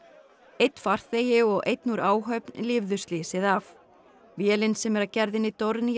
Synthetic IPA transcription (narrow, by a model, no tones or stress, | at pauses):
ejt̪n̥far̥θejɪɔɣʔḛjt̪nuɾaːwɦœpnlɪvðʏst̪liːsɪðav | vjɛːlɪnsɛmɛɾacɛɾðɪnːɪt̪oɾni